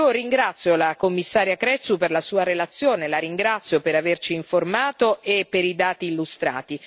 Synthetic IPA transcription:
oɾiŋɡɾat̪sːjolakomːisːaːɾjakɾɛt̪superlasuːaɾelat̪sːjoːnelaɾiŋɡɾat̪sːjopeɾavert͡ʃiːɱformaːt̪oʔepːeɾid̪aːt̪iːlːust̪ɾa̰ːt̪i

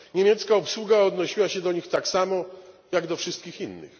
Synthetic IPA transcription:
ɲemʲjɛt̪skaɔpswuɡaɔd̪nɔɕiwaɕɛd̪ɔɲixt̪aksamɔ | jaɡd̪ɔfʂɘst̪̚kʲixinːɘ̰x

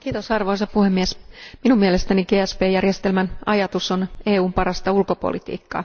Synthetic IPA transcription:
kiːt̪osɑrʋo̞isɑppuhemːiesminummielest̪æniɡeːæspeːjærjest̪elmænɑ̰jɑt̪usoneːuːmpɑrɑst̪ɑulko̞po̰lit̪ḭːkːɑ̰ː

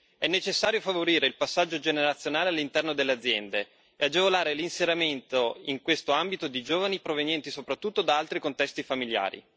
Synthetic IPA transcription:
ɛnːet͡ʃesːaːɾjofavoɾiːɾeilpasːad͡ʒːod͡ʒeneɾat̪sːjonaːlealːint̪ɛrnod̪elːead̪zːjɛnd̪e | ead͡ʒevolaːɾelinseɾament̪oiŋkwest̪oambit̪od̪id͡ʒoːvanipɾovenjɛnt̪isopɾat̪ːut̪ːod̪aalt̪ɾikont̪ɛst̪ifamilja̰ːɾḭ

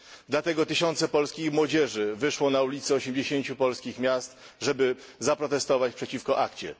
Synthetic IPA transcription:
d̪lat̪ɛɡɔt̪ɘɕɔnt̪sɛpɔlskʲixmwɔd͡ʑɛʐɘvɘʂwɔnaulʲit̪sɛɔɕemd͡ʑeɕeɲt͡ɕupɔlskʲixmʲjast̪ | ʐɛbɘzapɾɔt̪ɛst̪ɔvat͡ɕpʂɛt͡ɕifkɔʔakt͡ɕɛ̰

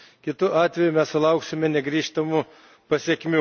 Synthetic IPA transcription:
kʲɪt̪ʊʔɑːt̪ʲʋʲɛjʊmʲɛssʊlˠɐʊksʲɪmʲɛnʲɛɡɾʲiːʃt̪ɐmʊ | pɐsʲiɛkʲmʲuː

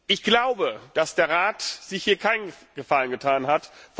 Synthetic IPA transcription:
ʔɪçɡ̥laʊbəd̥asd̥eːɐʁaːtz̥ɪçhiːɐkʰaɪnɡ̥əfalənɡətʰaːnɦatf

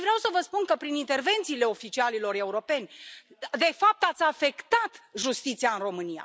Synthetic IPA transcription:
vɾeawsəvəspunkəpɾinint̪e̞rve̞nt̪siːle̞o̞fit͡ʃialilo̞re̞uɾo̞pe̞nʲ | d̪e̞fap̚t̪at̪sʲafe̞kt̪at̪ʒust̪it̪siaɨnro̞mɨnija̰

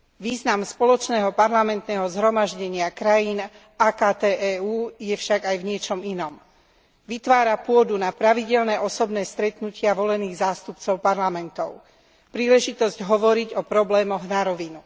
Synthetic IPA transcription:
ʋiːznamspɔlɔt͡ʃnɛːɦɔpaɾlamɛnt̪nɛːɦɔzɦɾɔmaʒɟɛɲɪakɾajiːn | aːkaːt̪ɛːʔɛːuːjɛfʃaɡajvɲɪɛt͡ʃɔminɔm | ʋit̪ʋaːɾapʊɔd̪unapɾaʋiɟɛlnɛʔɔsɔbnɛːst̪ɾɛt̪nucʰɪaʋɔlɛniːɣzaːst̪upt͡sɔʊpaɾlamɛnt̪ɔʊ | pɾiːlɛʒit̪ɔzɟɦɔʋɔɾiɟɔpɾɔblɛːmɔɣnaɾɔʋinu

